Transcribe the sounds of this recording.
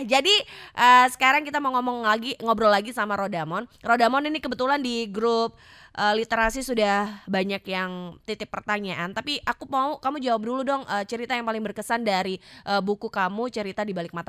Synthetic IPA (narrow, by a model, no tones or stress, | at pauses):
d͡ʒadiʔəsə̥kaɾaŋkit̪amaŋomɔŋlaɡiŋɔbɾɔlaɡisamaɾodamɔnrodamɔninikəbət̪ulandiɡɾup̚ | ʔəlit̪eɾasisudahbaɲakjaŋt̪it̪ɪpːərt̪aɲaʔant̪apiʔakumaukamud͡ʒawap̚duludɔŋʔəːt͡ʃəɾit̪ajaŋpalɪŋbərkəsandaɾiʔəbukukamut͡ʃəɾit̪adibalɪk̚mat̪a